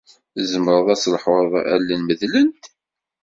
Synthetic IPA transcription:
zəmɾˤəðˤæslħʊðˤæ̰lːinməðlənt̪

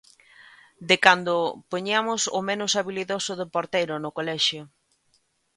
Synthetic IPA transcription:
d̪ɪkand̪ʊpoɲiamʊsʊ̰mẽnʊsaβiliðosʊðepoɾt̪ejɾʊnʊkolɛʃjʊ

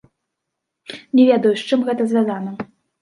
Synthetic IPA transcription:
nʲɛvʲed̪ɐjuʂt͡ʂɨmɣɛt̪ɐzʲvʲazanɐ

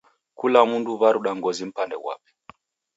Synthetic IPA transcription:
kulamunduβaɾuɗaŋɡɔzim̩pandɛ̰wa̰pɛ̥

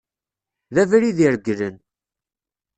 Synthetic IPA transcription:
ðævɾiðiɾɡlən

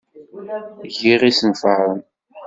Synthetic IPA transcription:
ʝiʁisənfəɾˤən

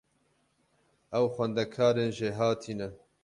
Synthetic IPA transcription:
ʔɛwxʷɛnd̪ɛkʰaːɾeːnʒeːɦaːt̪ʰiːnɛ

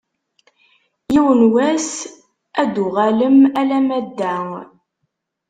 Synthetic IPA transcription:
jiwənwæs | æd̪ʊʁaləmælæmæd̪ːæŋ

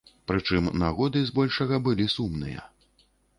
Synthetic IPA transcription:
pɾɨt͡ʂɨmnaɣɔd̪ɨzbɔlʲʂɐɣɐbɨlʲisumnɨ̰jɐ̰

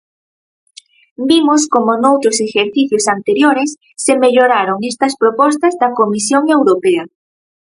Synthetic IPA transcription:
bimoskomonowt̪ɾosexeɾθiθjosant̪eɾjoɾesːemeʎoɾaɾoŋest̪ɐspɾopɔst̪ɐzðɐkomisjoŋewɾopea

